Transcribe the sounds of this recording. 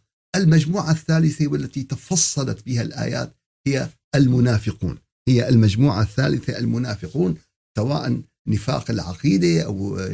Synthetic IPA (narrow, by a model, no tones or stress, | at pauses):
ʔalmad͡ʒmuːʕaθːaːlɪθawɪlːat̪it̪afɑsˤːɑlɑ̰t̪bɪhalʔa̰ːja̰ːt̪ | hɪjːa | ʔalmʊnaːfɪqṵːn | hɪjːaalmad͡ʒmuːʕaθːaːlɪθaʔalmʊnaːfɪquːn | sawaːʔan | nːɪfa̰ːqɪlʕɑqiːd̪aʔa̰w